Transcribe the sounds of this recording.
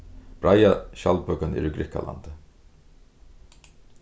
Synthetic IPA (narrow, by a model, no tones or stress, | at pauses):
b̥ɾajaʃalpœkanɛ̰ɾʏɡɾɪhka̰la̰nt̪ə